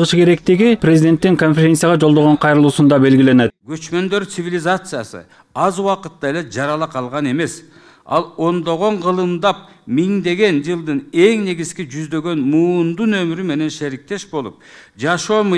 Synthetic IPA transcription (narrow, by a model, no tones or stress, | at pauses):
ʁɯʃkʰe̞ɾe̞kt̪iɡiprʲezid̪ʲe̞nt̪ːiŋko̞nfʲeɾʲe̞nsijaʁɑd͡ʒo̞lˠd̪oʁoɴqʰɑjɾɯlˠuːsund̪ɑbe̞lɡʲile̞net̪̚ɡ̥ø̞t͡ʃmø̞nd̪ø̞ɾt̪sɨvʲilʲizat̪sɨjasɯ̰ | ɑzuwɑqɯt̪ːɑjeled͡ʒɑɾɑlˠɑqʰɑlˠʁɑne̞me̞s | ɑ̰lˠo̞nd̪o̞ʁo̞ɴqʰɯlˠɯmd̪ɑp̚ | miŋd̪e̞ɡe̞nd͡ʒɯlˠd̪ɯne̞ŋne̞ɡiz̥kid͡ʒyzd̪ø̞ɡø̞nmuːnd̪unø̞myɾyme̞ne̞nʃeɾik̚t̪e̞ʃbo̞lˠṵp̚d͡ʒɑʃo̞ːmɯ